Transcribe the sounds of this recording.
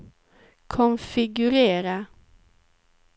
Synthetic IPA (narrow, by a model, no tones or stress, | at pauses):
kʰɔnfɪɡʉɾeːɾa